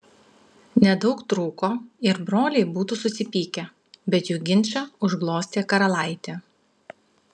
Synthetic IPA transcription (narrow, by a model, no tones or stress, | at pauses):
nʲɛd̪ɒʊkt̪ɾuːkoːɪɾbɾoːlʲɛɪbuːt̪usʊsʲɪpʲiːkʲɛ | bʲɛt̪juɡʲɪnʲt͡ʃʲɐʊʒɡlˠoːsʲt̪ʲeːkɐɾɐlˠɑˑɪt̪ʲeː